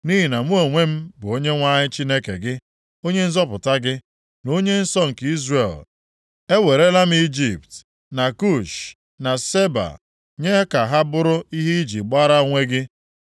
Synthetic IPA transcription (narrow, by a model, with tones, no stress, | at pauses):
ni˦ɦi˨na˨mu˦o˨ŋʷe˦m̩˦bʊ˨o˦ɲe˦ŋʷa˦ɲɪ˦t͡ʃi˦ne˦kḛ˨ɡɪ˦ | o˦ɲe˦n̩˦zɔ˦pʊ˨ta˦ɡɪ˦ | no˦ɲe˦n̩˦sɔ˦ŋ̩˨ki˦zre˨l | e˦we˨ɾe˦la˦m̩˦i˦d͡ʒi˨p̚t | na˨ku˦˨ʃ | na˨se˦ba̰˨ | ɲe˦ka˨ɦa˦bʊ˦ɾʊ˦i˦ɦi˦i˦d͡ʒi˨ɡ͡ba˦ɾa˦ŋʷe˦ɡɪ˦